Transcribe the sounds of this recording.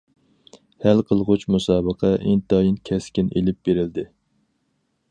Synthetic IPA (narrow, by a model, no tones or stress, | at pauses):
hælqʰəlˠʁʊt͡ʃmusɑːbəqʰəʔint̪ɑjinkʲʰɛskʲinʔelɪp̚beɾɪld̪ɪ